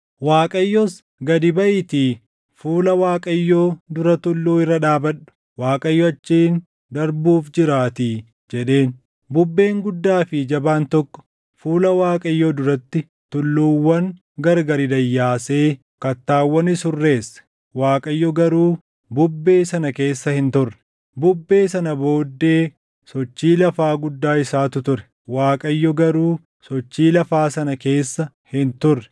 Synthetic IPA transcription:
waːkʼɐjːɔs | ɡɐd̪ɪbɐʔɪt̪iː | fuːlɐwaːkʼɐjːoːd̪ʊɾɐt̪ʊlːuːɪrːɐᶑaːbɐᶑʊ̥ | waːkʼɐjːɔɐt͡ʃːiːn | d̪ɐɾbuːfd͡ʒɪɾaːt̪iː | d͡ʒɛᶑe̞ːn | bʊbːe̞ːŋɡʊd̪ːaːfɪd͡ʒɐbaːnt̪ɔkːɔ̥ | fuːlɐwaːkʼɐjːoːd̪ʊɾɐt̪ːɪ | t̪ʊlːuːwːɐŋ | ɡɐɾɡɐɾɪd̪ɐjːaːseː | kɐt̪ːaːwːɐnɪsʊrːe̞ːsːɐ̥ | waːkʼɐjːɔɡɐɾuː | bʊbːe̞ːsɐnɐke̞ːsːɐhɪnt̪ʊrːɛ̥ | bʊbːe̞ːsɐnɐbo̞ːd̪ːe̞ː | sɔt͡ʃːiːlɐfaːɡʊd̪ːaːɪsaːt̪ʊt̪ʊɾɛ̥ | waːkʼɐjːɔɡɐɾuː | sɔt͡ʃːiːlɐfaːsɐnɐke̞ːsːɐ | hɪnt̪ʊrːɛ̥

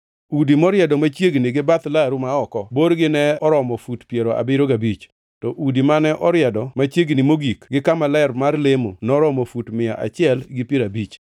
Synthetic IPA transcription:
udimɔɾjɛdɔmat͡ʃjeɡnɪɡɪbat̪laɾumaɔkɔboɾɡɪnɛɔɾɔmɔfutpjeɾoʔa̰bɪɾoɡabit͡ʃ | tɔʔudimanɛʔɔɾjɛdɔmat͡ʃjeɡnɪmoɡikɡɪkamalɛɾmarlemonɔɾɔmɔfutmɪaʔa̰t͡ʃɪɛlɡɪpjeɾabit͡ʃ

